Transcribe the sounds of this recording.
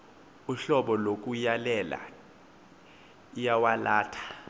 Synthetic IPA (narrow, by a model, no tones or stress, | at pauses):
uɬɔɓɔlok̬ʼujalɛla̰ | jawalaːtʰḁ